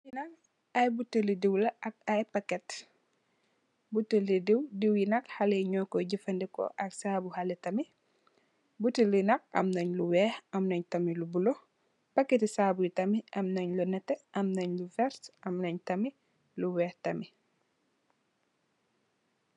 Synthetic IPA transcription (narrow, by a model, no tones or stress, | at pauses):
sinɐk | ɐjbutəlidiwlɐɐkajpɐkɛt | butːəlidiwdiwjinɐkhɐleɲɔːkɔɟifɐndikɔ̰ʔɐksabuhɐlɛtɐmi | butilinɐk̚ɐ̰mnɐɲluwɛːhɐmnɐɲtɐmilubulo | pɐkːetisaːbujitɐmiʔɐmnɐɲlunɛtːeʔɐmnɐɲlufɛɾtʔɐmnɐɲtɐmi | luwɛːhtɐmi